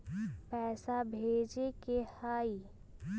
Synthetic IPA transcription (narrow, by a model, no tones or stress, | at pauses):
pɛːsabʱeːd͡ʒekehaːi